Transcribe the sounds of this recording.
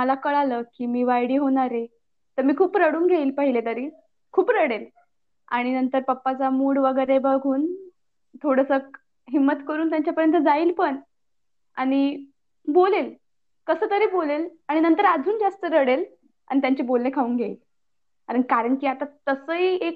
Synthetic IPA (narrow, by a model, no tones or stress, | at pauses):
məlakəɭaləːkiːmiːʋajɽiːɦoɽ̃aɾe | t̪əɾmiːkʰuːpɾəɽuːnɡʱeiːlpəɦilet̪əɾiː | kʰuːpɾəɽel | a̰ɽ̃inənt̪əɾpəpːat͡samuːɽʋəɡəjɾebəɡʱuːn | t̪ʰoɽəsək | ɦimːət̪kəɾuːnt̪jaɲt͡ɕjapəɾjənt̪əd͡zaiːlpəɳ | a̰ɽ̃i | bolel | kəsəːt̪əɾiːbolelaɽ̃inənt̪əɾad͡zʱuːnd͡zast̪əɾəɽel | a̰ɽit̪jaɲt͡ɕebolnekʰauːnɡʱeḭːl | kaɾəɳkaɾəɳkiːat̪at̪əsəɦiek